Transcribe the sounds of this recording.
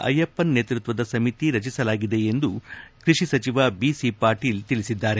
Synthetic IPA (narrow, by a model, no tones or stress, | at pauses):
ʔɐ̰jɐpːɐnːeːt̪ɾut̪ʋɐd̪ɐsɐmit̪iɾɐt͡ʃisɐlaːɡid̪e̞end̪ukɾiʂisɐt͡ʃiʋabiːsipaːɾʈiːlt̪ilisid̪ːaːɾe̞